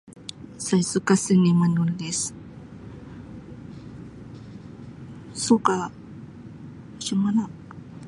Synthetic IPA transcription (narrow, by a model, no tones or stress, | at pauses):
sajsukasinimanulis | suka | ʃəmanak̚